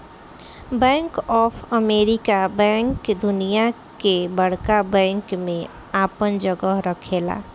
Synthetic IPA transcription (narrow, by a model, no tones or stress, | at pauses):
bɛ̃ːŋkɔːpʰəmeːɾikabɛ̃ːŋkd̪ʊnija | kebəɽ̤kabɛ̃ːŋkmẽ | aːpənd͡ʒəɡəɦɾəkʰeːla̰ː